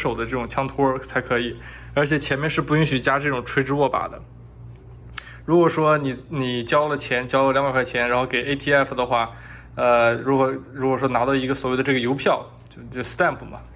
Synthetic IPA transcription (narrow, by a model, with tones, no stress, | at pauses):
ʂo˨˩ʊd̪ə˦ʈ͡ʂɤ˥˩ʈ͡ʂʊ˨˩ŋt͡ɕʰjɑ˥ŋt̪ʰɔ˥t͡sʰa˧˥ɪkʰɤ˧˥i˨˩˦ | ə˞˧˥t͡ɕʰjɛ˨˩t͡ɕʰjɛ˧˥nmjɛ˥˧nʂɻ̩˥˧pu˥˩y˥ŋɕy˨˩t͡ɕja˥ʈ͡ʂɤ˥˩ʈ͡ʂʊ˨˩ŋʈ͡ʂʰwe˥ʈ͡ʂɻ̩˥wɔ˥˩pa̰˨˩d̪ə̰˦ | ɻu˧˥kwɔ˨˩ʂwɔ˥ni˨˩ni˨˩t͡ɕjɑ˥ʊlə˨t͡ɕʰjɛ˧˥nt͡ɕjɑ˥lə˨˩ljɑ˧˥ŋpa˧˥kʰɪt͡ɕʰjɛ˧˥nɻa˧˥nxo˥˩ʊke˨˩ɪe˥ɪt̪ʰi˥ɛ˥fd̪ə˩xwa˥˩ | ə˧ɻu˧˥kwɔ˧˥ɻu˧˥kwɔ˨˩ʂ̬wɔ˥na˧˥d̪ɑ˥˧ʊi˧˥ɡə˧swɔ˨˩we˥˩ɪd̪ə˧ʈ͡ʂɤ˥˩ɡə˩jo˧˥ʊpʰjɑ˥˩ʊ | t͡ɕjo˥˧ʊ˥˩st̪a˥˩npʰu˩mɐ̰˩